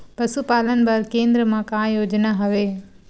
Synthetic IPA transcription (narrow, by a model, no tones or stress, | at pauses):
pɐsupaːlənɪ̆bɐɾkẽːnd̪ɾəmãkãːjoːd͡ʒnaɦɐʋeː